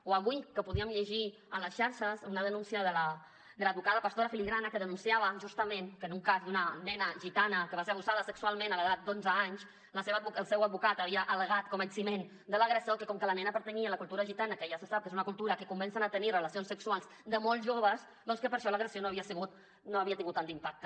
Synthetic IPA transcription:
oaβujkəpuðiəmʎəʒi | ənləsʃaɾʃəzunəðənunsiəðələ | d̪ələd̪βukaðəpast̪oɾafiliɣɾanəkəðənunsiaβəʒust̪əmẽnkənuŋkazd̪unənɛnəʒit̪anəkəβaseɾaβusaðəsəksualˠmẽnələɣat̪̚d̪onzəaɲs | ləseβəuəlˠsɛwəd̪̚βukat̪aβiəʔələɣ̞at̪̚komənsimen | d̪ələɣɾəsiokəkɔmkəlɐnɛnəpəɾt̪əɲiələkulˠt̪uɾɐʒit̪anəkəjasəsap̚kezunəkulˠt̪uɾəkəkumbɛnsənat̪ənirəlɐsionsəksualˠz | d̪əmɔlˠʒoβəz | d̪ɔnskəpəɾʃɔləɣɾəsionoaβiəsəɣut̪ | noaβiət̪iŋɡut̪ːanimpak̚t̪ə̥

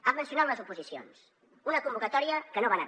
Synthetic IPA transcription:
amənsiunawləzupuzisio̰ns | unəkumbukət̪ɔɾiəkənoβanə

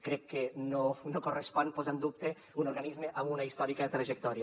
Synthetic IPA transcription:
kɾɛkːenonokorespɔnpozand̪up̚t̪e | unoɾɣanizmeʔamunɐist̪ɔɾikaet̪ɾɐʒek̚t̪ɔɾia

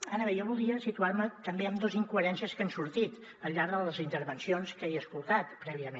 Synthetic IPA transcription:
anəβejɔβulˠd̪iəsit̪uaɾmət̪əmbeəmd̪oziŋkuəɾɛnsiəskənsuɾt̪it̪ | əlʎːaɾðələzint̪əɾβənsionskejəskulˠt̪at̪pɾɛβiəmen

